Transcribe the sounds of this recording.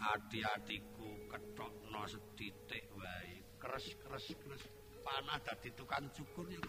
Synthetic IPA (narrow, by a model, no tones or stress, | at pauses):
ʔaɖ̥iaɖ̥ikukəʈɔʔnɔsəd̪̥it̪eʔwai | kəɾəskəɾəskəɾəs | panahd̪̥a̤d̪̥i̤t̪ukant͡ʃukʊrj